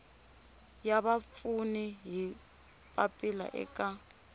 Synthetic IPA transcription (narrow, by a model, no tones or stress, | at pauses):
jaβafuniɦi | pʼapʼila̰ʔɛ̰kʼa